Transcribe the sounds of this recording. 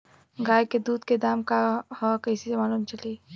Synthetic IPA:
ɡajked̪uːd̪ked̪amkahɔkəɪsisemalumt͡ʃəli

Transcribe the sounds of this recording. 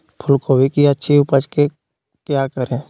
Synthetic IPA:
pʰʊlkobʱikiətːʃʰiʊpət͡ʃke | kjakəɾẽ

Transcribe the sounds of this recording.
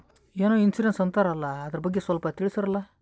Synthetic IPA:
eːnoːinsiɖensɐnt̪aːɾɐːlːɐːd̪ɐɾɐbɐɡːesʋɐlpɐt̪iɭisɐɾɐlːɐ

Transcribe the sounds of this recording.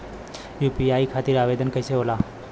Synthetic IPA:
juːpiaikʰat̪iɾaːʋed̪ənkəjseɦola

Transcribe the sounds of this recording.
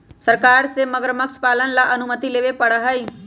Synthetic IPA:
səɾkaːɾseməɡəɾməkt͡ʃʰpaːlənlaʔɐnʊmət̪ileːʋepəɽaɦəiː

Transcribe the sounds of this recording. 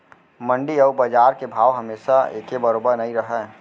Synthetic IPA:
mə̃ɳɖiɔʋbəd͡ʒaːɾkebʱaːwɦɐmeːʃaḛːkebəɾoːbəɾnɐĩɾəɦɛː

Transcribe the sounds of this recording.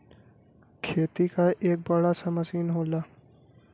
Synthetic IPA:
kʰeːt̪ikaʔeːk̚bɐɽasɐmɐsiːnɦoːlaː

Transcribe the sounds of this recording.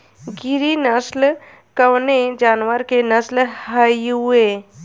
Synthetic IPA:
ɡiɾinəsl | kəwned͡ʒaːnwəɾkenəslhajue

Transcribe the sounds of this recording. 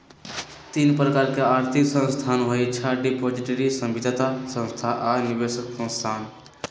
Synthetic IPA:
t̪inpɾəkaɾkeaɾt̪ʰiksə̃nst̪ʰanɦojt͡ʃʰaɖipod͡ʒiʈəɾisə̃mbid̪ʱət̪asə̃nst̪ʰaʔanibesəksə̃nst̪ʰan

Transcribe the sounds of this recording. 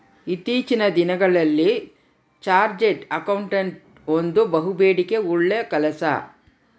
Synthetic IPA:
it̪ːiːt͡ʃinɐd̪inɐɡɐɭɐlːi | t͡ʃaːɾd͡ʒeʈɐkɐwɳʈɐɳʈ | ond̪ubɐɦubeːɽike̞uɭːeɐkɐlɐsɐ̰

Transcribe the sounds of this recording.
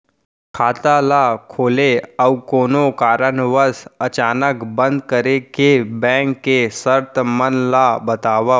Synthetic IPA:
kʰaːt̪alakʰoːleəwkoːnokaːɾənʋəsət͡ʃaːnəkbə̃nd̪̚kəɾekebɛ̃ːŋkːesəɾt̪əmənlabət̪aːʋa

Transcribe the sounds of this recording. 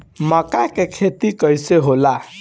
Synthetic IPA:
mʌkakekʰet̪ikʌjseɦola

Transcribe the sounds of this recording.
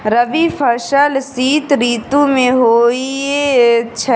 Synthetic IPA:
ɾəʋipʰəɾʃəlsiːt̪ɾiːt̪ũmẽɦoːiet͡ʃʰ

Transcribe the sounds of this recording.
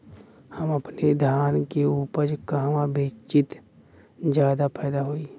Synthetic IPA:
həməpned̪ʱjaːnkeuːpəɾkəɦmabeːt͡ʃɪt̪ | d͡ʒjaːd̪apʰɛːd̪aɦoːiː

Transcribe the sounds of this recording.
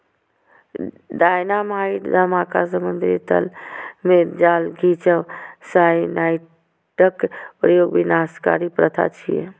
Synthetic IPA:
ɖajnamaiʈd̪əmakas̬əmund̪ɾit̪ə̰lmeɾd͡ʒaːlɡʱit͡ʃəʋsajnaːj | ʈəkpɾəjoːɡbinaska̰ɾipɾət̪ʰa̰t͡ʃʰḭjḛ

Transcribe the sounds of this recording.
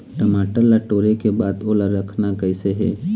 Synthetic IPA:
ʈəmaːʈəɾlːaʈoːɾekebaːd̪oːlaɾɐkʰnakɛɪseɦɛ̰ː

